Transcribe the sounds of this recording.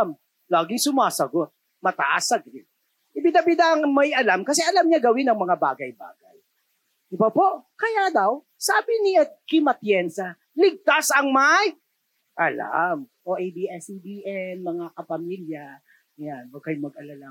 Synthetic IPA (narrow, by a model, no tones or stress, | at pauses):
m | laːɡɪŋsʊmaːsɐɡot̪̚ | mɐt̪ɐʔasːɐɡɾɪt̪̚ | ʔɪbɪnɐbɪd̪aŋmɐjɐlamkɐsɛʔɐlamɲaɡɐwɪnɐŋmɐŋabaːɡɐjba̰ːɡɐj | ʔɪbapo̞ʔkɐjad̪ɐw | saːbɪnɪɐt̪̚kɪmɐt̪jɛnsɐ | lɪɡ̚t̪asɐŋmaj | ʔɐla̰mʔoʔejbiʔɛsibiːʔɛnmɐŋakɐpɐmiljɐ | janbɐɡ̚kɐjmɐɡ̚ʔɐlala